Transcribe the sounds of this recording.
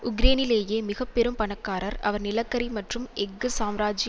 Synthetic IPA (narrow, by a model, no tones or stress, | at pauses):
ʊɡɾeːnɪleːjeːmɪɣɐpːɛɾɯmpɐɳɐkːaːɾɐɾɐ̰ʋɐɾnɪlɐkːɐɾimɐʈrɯmɛɡːɯsaːmɾaːd͡ʒɪj